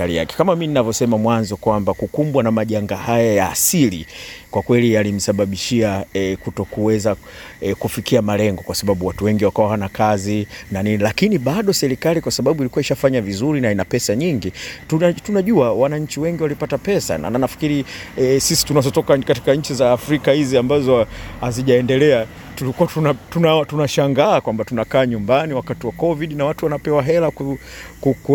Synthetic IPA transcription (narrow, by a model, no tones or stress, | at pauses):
alḭja̰kɛ̥kamamininavjɔsɛmamwanzɔkwambakukumbwanamaʄaŋɡahajaja̰ːsilikwakwɛlijalim̩saɓaɓiʃiaɛkutɔkuwɛza | kufikiamalɛŋɡɔkwasaɓaɓuwatuwɛŋɡiwakawawanakazinaninilakiniɓaɗɔsɛɾikalikwasaɓaɓuilikuaiʃafaɲavizuɾinainapɛsaɲiŋɡitutunaʄuawanaɲ̩t͡ʃiwɛŋɡiwalipatapɛsa̰na̰anafi̥kiɾiɛsisi̥tunazɔtɔkakati̥kaɲ̩t͡ʃizaːfɾikahiziambazɔhaziʄaɛndɛlɛa | tulikuatunatunatunaʃaŋɡaːkwambatunakaːɲumbaniwakatiwakɔviɗinawatuwanapɛwaɦɛlaku | kuku